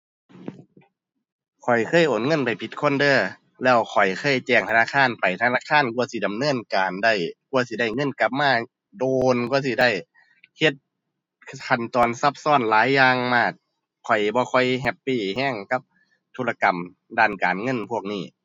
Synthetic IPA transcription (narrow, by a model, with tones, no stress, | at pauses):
kʰɔ˨˩jkʰɤː˧˥˨jʔoː˨˩nŋɤ˧˥˨npa˨˩jpʰi˧˦t̪̚kʰo˧˥˨ndɤː˧˩ | lɛː˧˩wkʰɔ˨˩jkʰɤː˧˥˨jt͡ɕɛː˧˩ŋt̪ʰa˧naː˧˨kʰaː˧˥˨npa˨jt̪ʰa˧naː˧˥˨kʰaː˧˥˨nku˧ɐsi˧˦da˨mnɤː˧˥˨nkaː˨˩nda˧˩jku˧əsi˧˦da˧˩jŋɤ˧˥˨nka˧˦p̚maː˧˥˨ | doː˧nku˧ɐsi˧˦da˧˩j | he˧t̪̚ | kʰa˧˩nt̪ɔː˨nsa˧˥p̚sɔː˧˥˨nlaː˨˦jːaː˧ŋmaː˧˩t̪̚ | kʰɔ˨˩jbɔː˧˦kʰɔ˧jɦɛ˧pːiː˧˥˩hɛː˧˥˨ŋka˧˦p̚ | t̪ʰuː˧˥la˧ka˨m | daː˧˩˨nkaː˨˩nŋɤ˧˥˨npʰu˧˥˩ək̚niː˧˩˨